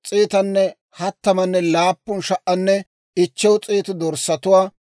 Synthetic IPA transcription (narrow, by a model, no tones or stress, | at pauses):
t͡sʼiːt̪ɐnːɛ | hɐt̪ːɐmɐnːɛlaːpːʊnʃɐʔːɐnːɛ | ɪt͡ʃːɛwt͡sʼiːt̪ʊd̪ɔɾsɐt̪ʊwaː